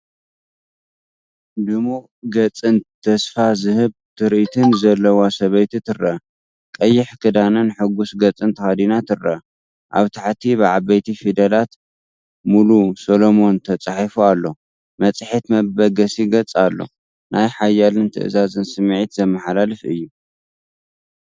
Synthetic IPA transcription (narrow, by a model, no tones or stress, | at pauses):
d̪ɨmu | ɡɐt͡sʼɨnt̪ʰːɐsfazɨhɨβ | t̪ʰɨɾʔit̪ʰɨnzɐlːɐwasɐβɐjt̪it̪ʰɨɾːɐ | kʼɐjːɪħkʰɨd̪anɨnħɨɡusɡɐt͡sʼɨnt̪ʰɨxad̪inat̪ʰɨrːɐ̰ | ʔa̰βt̪ʰaħt̪ʰibɨʕaβɐjt̪ʰifid̪ɐlat̪ | mulusolo̞mo̞nt̪ʰɐt͡sʼaħifualːo̞ | mɐt͡sʼɨħit̪mɐbɐɡɐsiɡɐt͡sʼalːo̞̰ | nʔajħajːalɨnt̪ʰɨ̰ʔzazɨnsɨmːʕit̪zɐmːɐħalalɨfɨ̰jːu